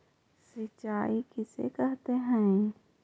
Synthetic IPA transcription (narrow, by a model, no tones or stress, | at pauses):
sɪt͡ʃːaːikɪsḛkəɦt̪eɦɛ̃